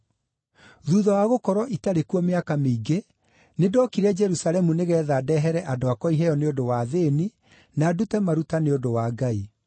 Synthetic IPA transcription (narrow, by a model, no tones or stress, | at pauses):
ðuːðɔwaɣokɔɾɔʔitaɾekuɔmeakameiɡe | nedɔːkiɾɛd͡ʒɛɾusalɛmuneɣɛːðaːdɛɦɛɾɛʔadoakɔiɦɛjɔneodowaðeni | naːdutɛmaɾutaneodowaːɡai